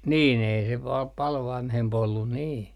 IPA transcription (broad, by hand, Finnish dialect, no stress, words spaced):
niːn ei se pɑl pɑl ʋɑnhemp olːun niː